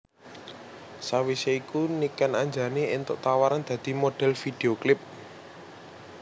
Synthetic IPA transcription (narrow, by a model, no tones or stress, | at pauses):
sawiseikunikanaɲd͡ʒa̤neɪnt̪ʊʔt̪awaɾand̪̥ä̤d̪̥i̤moɖ̥ɛ̤lfid̪̥e̤oklɪp̚